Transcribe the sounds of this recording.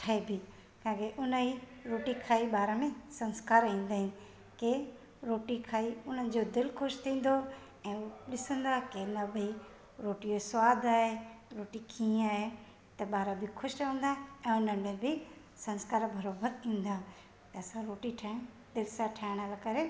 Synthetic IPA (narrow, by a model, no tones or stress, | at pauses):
ʈʰaɦebʱɪ | kãːkeʔʊnəiɾoːʈikʰaːiɓaːɾamẽsɐ̃nskaːɾĩːn̆d̪aːɦɪn | ke | ɾoːʈikʰaːiʊn̤ənɪ̆d͡ʑod̪ɪlkʰʊʃt̪ʰĩːn̆d̪o | ɛ̃ːuɗɪsə̃nd̪aːkenɐbi | ɾoːʈiosʋaːd̪ʱaːɦeɾoːʈikʰĩːaːɦe | t̪ɐɓaːɾabʱɪkʰʊʃʈʋə̃n̆d̪aːɦẽɛ̃ːʊnənɪ̆mẽbʱɪ | sɐ̃nskaːɾbʱɐɾoːbəɾĩːn̆d̪aː | t̪ɐɐsãɾoːʈiʈʰaɦɪ̃ | d̪ɪlsãʈʰaːɪɽ̃alakɐɾe